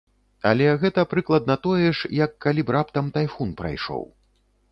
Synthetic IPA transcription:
a̰lʲɛɣɛt̪ɐpɾɨklˠɐd̪̚nɐt̪ɔjɛʂjɐkːalʲibɾapt̪ɐmt̪ajfunpɾa̰jʂɔ̰w

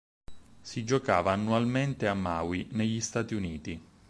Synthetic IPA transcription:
sid͡ʒokaːvaːnːualment̪eamːawineʎːist̪aːt̪iuniːt̪i

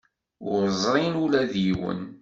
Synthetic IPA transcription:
ʊɾzˤɾˤinulæðjiwə̰n

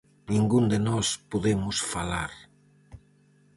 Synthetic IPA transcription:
nĩŋɡund̪enɔspuðemʊsfalaɾ

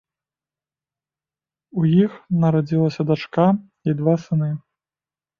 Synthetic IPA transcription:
ujixnɐɾad͡zʲilˠɐsʲɐd̪at͡ʂka | id̪vasɨnɨ

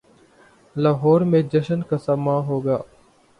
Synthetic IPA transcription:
laːɦɔːɾmẽːd͡ʒəʃənkasamãːɦoːɡaː

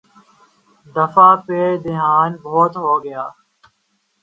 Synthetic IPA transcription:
d̪əfaːpeːd̪ɪɦaːnboːt̪ɦoːɡɪjaː

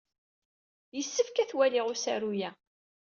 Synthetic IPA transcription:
jəsːəfkæθwælɪʁʊsæɾujæ

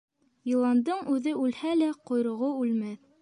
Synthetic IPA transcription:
jɤ̆lˠɑnd̪ɤɴʉðɘʉlhælæqŏjɾŏʁoʉlmæθ

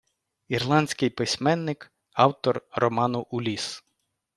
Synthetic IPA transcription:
irlˠɑnʲsʲkɪjpɪsʲmɛnːɪk | ɑwt̪ɔrrɔmɑnʊʔulʲis

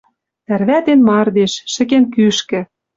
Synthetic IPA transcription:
ærβæt̪enmɑrd̪eʃːɘ̆kenkyʃkɘ̆

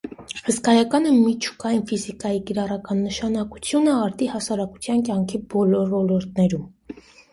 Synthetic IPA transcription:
həskɑjɑkɑnəmit͡ʃʰu̥kɑjinfizikɑjikiɾɑrɑkɑnːəʃɑnɑku̥t͡sʰjunəɑɾt̪ihɑsɑɾɑku̥t͡sʰjɑnkjɑŋkʰibɔlɔɾvɔlɔɾt̪̚nɛɾum

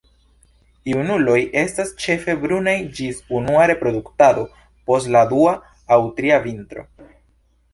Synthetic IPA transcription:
iunulo̞jʔe̞stast͡ʃe̞fe̞bɾunajd͡ʒisunuaɾe̞pɾo̞duktado̞ | po̞stladuaː | wtɾiavintɾo̞̰

